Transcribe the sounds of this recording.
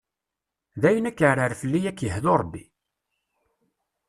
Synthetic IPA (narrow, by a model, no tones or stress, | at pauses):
ðæjənækːəɾəɾfəlːijækːjəhðoɾˤbːi